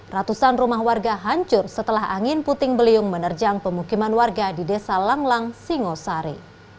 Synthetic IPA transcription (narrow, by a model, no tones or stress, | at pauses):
rat̪usanrumahwarɡaɦaɲt͡ʃʊrsət̪əlaɦaŋɪnput̪ɪŋbəliʊŋmənərd͡ʒaŋpəmukimanwarɡadidesalaŋlaŋsiŋosaɾḭ